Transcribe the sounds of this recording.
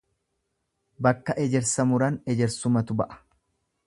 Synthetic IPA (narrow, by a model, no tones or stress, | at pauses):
bɐkːɐʔɛd͡ʒɛɾsɐmʊɾɐnɛd͡ʒɛɾsʊmɐt̪ʊbɐʔɐ̥